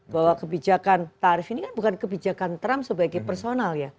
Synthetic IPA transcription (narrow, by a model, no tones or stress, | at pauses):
bawakəbid͡ʒakant̪aɾɪfinikanbukankəbid͡ʒakant̪ɾamsəbaɡajpərsonalja